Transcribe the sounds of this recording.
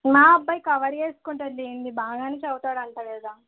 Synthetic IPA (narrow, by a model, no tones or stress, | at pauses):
maːɐbːɐjkɐʋɐɾeːsu̥kuɳʈɐd̪d̪eːnd̪ibaːɡaːnet͡ʃɐwt̪aːɽɐɳʈ̪ɐleːd̪aː